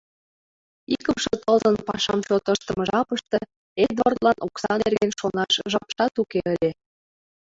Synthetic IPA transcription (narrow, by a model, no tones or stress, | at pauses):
ikəmʃət̪əlzənpɑʃɑmt͡ɕot̪əʃt̪ə̆məʒɑpəʃt̪ɤ̆ | ed̪ort̪lɑnʔoksɑnerɣenʃonɑʃʒɑpʃɑt̪ukeəlʲe